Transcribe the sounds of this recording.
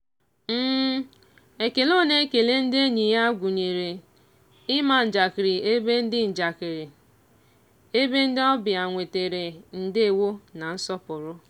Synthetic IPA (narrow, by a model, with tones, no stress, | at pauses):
m̩˦ | e˨ke˨lo˦ne˦ke˨le˦n̩˦dɪ˦e˦ɲi˨ja˦ɡʷu˨ɲi˨ɾe˨ | ɪ˦ma˨n̩˨d͡ʒa˨kɪ˨ɾɪ˨e˦be˦n̩˦dɪ˦n̩˨d͡ʒa˨kɪ˨ɾi˨ | e˦be˦n̩˦dɪ˦ɔ˦bɪ˨a˨ŋʷe˨te˨ɾe˨n̩˨dɪ˦e˨wo˦na˨n̩˦sɔ˦pʊ˨ɾʊ˦